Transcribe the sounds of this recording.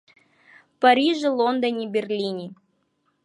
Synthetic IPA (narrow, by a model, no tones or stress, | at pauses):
pɐɾʲiʐɨlˠond̪ənʲibʲɪrlʲinʲi